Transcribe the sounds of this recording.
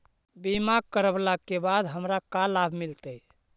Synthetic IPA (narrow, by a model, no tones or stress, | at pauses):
bimaɡkəɾəblakːebad̪ɦəmɾakalabʱmilt̪əj